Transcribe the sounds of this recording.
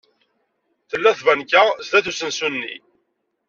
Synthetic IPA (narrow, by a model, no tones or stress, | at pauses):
θəlːæθvænkːast̪æθusənsunːḭ